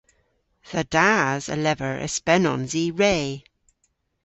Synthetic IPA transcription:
ðədazə̰lɛvəɹʔə̰spɛnɔ̰̃nziɹeː

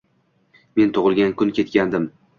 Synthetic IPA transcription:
me̞nt̪ʰʊʁɨlˠɡʲankʊnkʲʰe̞t̪kʲand̪ɪm

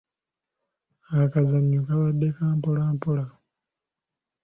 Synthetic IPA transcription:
akazaɲːukaβadːekaːmpolaːmpola

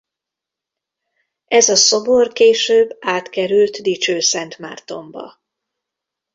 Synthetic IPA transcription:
ʔɛzɒso̞borkeːʃøːbːaːt̪kɛɾylt̪d̪it͡ʃøːsɛnt̪ma̰ːrt̪o̞mbɒ̰

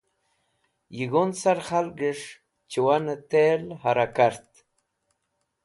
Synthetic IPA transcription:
jiɡonsaɾχalɡəʂ | t͡ʃiwanət̪elhaɾakaɾt̪

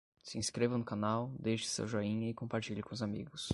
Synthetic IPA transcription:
sɪĩskɾevɐnʊkanawd̪ejʃɪ̥sɐ̰wʒɔĩɲɐɪkõmpaɾt͡ʃiʎɪkõʊzamḭɡʊs

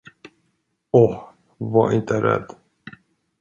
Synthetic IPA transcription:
ɔh | vaʔɪnt̪əɾɛ̰d̪ː

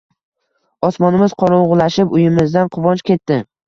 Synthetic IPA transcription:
ɒsmɒnɪmɪz̥qʰɒɾʊʁʊlaʃɪpʊjɪmɪzd̪anqʰʊvɒnt͡ʃkʲʰe̞t̪ːɪ

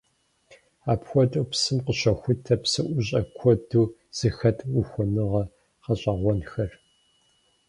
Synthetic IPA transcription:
aːpxʷɔtʼɐpsɨmqəɕɐxʷʊtʰɐpsɨʔʷʊɕʼɐkʷʰɔduːz̥ɨxɐtʰuxʷɔnɨʁɐ | qɐɕʼɐʁʷɔnxɐr

